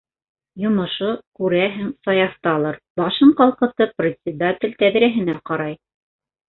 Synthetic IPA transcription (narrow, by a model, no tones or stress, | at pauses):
jŏmŏʃokʉɾæɦæŋsɑjɑθt̪ɑlˠɤɾ | bɑʃɤɴqɑlˠqɤ̆t̪ɤprʲɪt̪ʲsʲɪd̪atʲɪ̆lʲt̪æðɾæɦɘ̆næqɑɾɑj